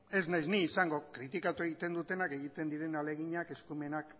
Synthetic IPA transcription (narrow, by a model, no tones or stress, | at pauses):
e̞znajzniːsaŋɡo̞kɾit̪ikat̪ue̞ɣit̪e̞nd̪ut̪e̞nake̞ɣit̪e̞nd̪iɾe̞nale̞ɣ̞iɲake̞skume̞nak